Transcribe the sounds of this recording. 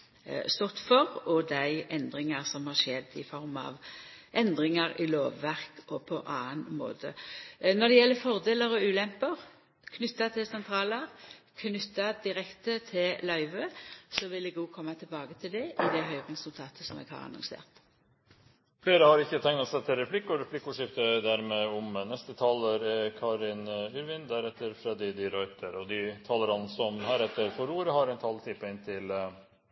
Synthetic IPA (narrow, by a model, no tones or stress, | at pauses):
st̪ɔt̪fɔʁɔd̪æɪʔɛnd̪ʁɪŋɑʁsɔmhɑʂɛd̪ːɪ̰fɔɾmɑ̰ʋʔɛnd̪ʁɪŋɑɾɪloːʋːæʁkɔpʰɔʔɑːənmo̰ːd̪ə̰nɔd̪ɛjɛlːəfɔʁd̪eːləɾɔʉːlɛmpəʁ | kʰnʏt̪ːɑt̪ʰɪlsɛnt̪ʰɾɑːləʁkʰnʏt̪ːɑd̪ɪʁɛkt̪ət̪ʰɪllɑʏʋəsɔʋɪlɛɡuːkʰɔmːat̪ʰɪlbɑːɡət̪ʰɪld̪ɛɪd̪ɛɦœʏʁɛsʉlt̪ʰɑːt̪ʰəsɔmɛ̰ːɡhɑ̰ʁɑ̰nʊ̰ŋsḛːʁt̪ | fleːɾəhɑɾɪçːət̪ʰɛŋnɑsɛt̪ʰɪlɾɛflɪkːʊɾɛflɪkːʊʂɪft̪əd̪æɾmeːɔmnɛst̪ət̪ʰɑːləɾkʰɑːɾɪnʉɾʋɪnd̪æɾɛt̪ːəɾfɾɛd̪ɪd̪ɪɾɔʏt̪ʰəɾɔd̪ɪt̪ʰɑːləɾɑnsɔmhæːɾɛt̪ːəɾfɔɾuːɾəɦɑɾɛɪnt̪ʰɑlt̪ʰɪpːɪnt̪ʰɪl